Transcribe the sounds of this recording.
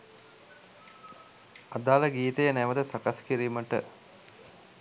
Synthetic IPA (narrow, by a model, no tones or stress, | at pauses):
ad̪aːləɡiːt̪əjənɛʋəd̪əsakaskiɾiːməʈə